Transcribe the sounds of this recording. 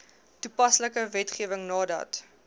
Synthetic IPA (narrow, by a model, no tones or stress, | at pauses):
tupɐsləkəvɛtχiəvəŋnɑːdɐ̰t